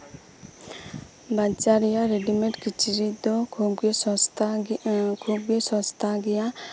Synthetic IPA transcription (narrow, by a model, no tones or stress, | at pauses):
bat͡ʃaɾijaɾeɖimeʈkit͡ʃiɾid̪ɔɡt | ɡoɡesɔst̪ʰaɡija